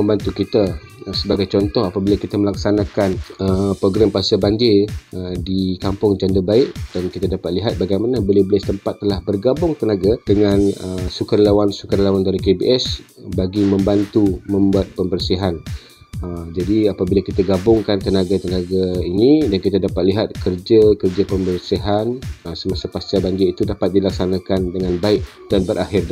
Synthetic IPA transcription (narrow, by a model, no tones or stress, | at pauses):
məmbant̪ukit̪asəbaɡajt͡ʃɔnt̪ɔɦapabilakit̪aməlak̚sanãkanəpɾoɡɾampasabaɲd͡ʒɪədikampʊŋd͡ʒandəbaɪʔd̥ankit̪adapat̪̚liɦat̪̚baɡajmanabolawbəlɪst̪əmpat̪ːəlahbərɡabʊŋt̪ənaɡad̥əŋãnəsukarlawansukarlawandaɾikebḭʔɛsbaɡimə̃mbant̪umə̃mbuat̪̚pəmbərsiɦan | əd͡ʒadiapabilakit̪aɡabʊŋkant̪ənaɡat̪ənãɡainidankit̪adapat̪̚liɦat̪̚kərd͡ʒakərd͡ʒapəmbərsiɦanəsəmasapast͡ʃabaŋɡəit̪udapat̪̚dilaksanãkandəŋãnbaɪʔ | d̥anbəɾʔahɪrda